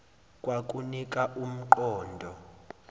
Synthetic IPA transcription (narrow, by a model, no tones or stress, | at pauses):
kʼwak̬ʼunik̬ʼaʔum̩ǃɔːndʱɔ